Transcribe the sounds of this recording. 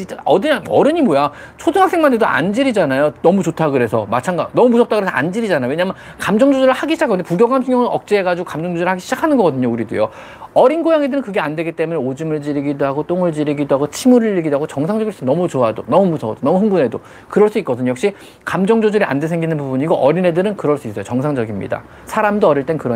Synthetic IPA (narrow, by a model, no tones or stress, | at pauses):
t͡ɕʰit͡ɕ͈aʌdiɲaʌɾɯɲimoja | t͡ɕʰoduɦaks͈eŋmandedoʔa̰nd͡ʑiɾid͡ʑanajonʌmut͡ɕotʰaɡɯɾe̞sʰʌ̰mat͡ɕʰaŋɡanʌmumusʰʌt͈aɡɯɾesʰʌa̰nd͡ʑiɾid͡ʑanajoweɲamjʌn | kamd͡ʑʌŋd͡ʑud͡ʑɯɾɯɭhaɡiɕʰid͡ʑakʰːaɯnd̪epuɡjʌɡansʰeŋjʌŋɯnʌk̚t͡ɕ͈ieɡad͡ʑiɡokamd͡ʑʌŋd͡ʑud͡ʑɯɾɯɭhaɡiɕʰid͡ʑakʰanɯnɡʌɡʌdɯɲokuɾidṵjo̰ | ʌɾinɡojaŋe̞dɯɾɯnkɯɡe̞andwe̞ɡit͈e̞muneod͡ʑɯmɯɭt͡ɕiɾiɡidoɦaɡot͈oŋɯɭt͡ɕiɾiɡidoɦaɡot͡ɕʰimuɾɯɭːiɡidoaɡot͡ɕʌŋsʰaŋd͡ʑʌɡiɭs͈nʌmut͡ɕoadonʌmumusʰʌdonʌmuɦɯŋbune̞do | kɯɾʌɭs͈uitk͈ʌdɯnjʌkɕ͈i | kamd͡ʑʌŋd͡ʑod͡ʑɯɾiʔa̰ndesʰe̞ŋɡinɯnpubuɲiɡoʔʌɾine̞dɯɾɯnkɯɾʌɭs͈uis͈ʌjot͡ɕʌŋsʰaŋd͡ʑʌɡimɲḭda̰ | sʰaɾamdoʌɾiɭt͈e̞nkɯɾʌ